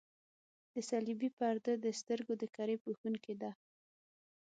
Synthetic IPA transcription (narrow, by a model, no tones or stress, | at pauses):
d̪̥əsalibipaɾd̪əd̪əst̪əɾɡod̪əkaɾepuxunked̪a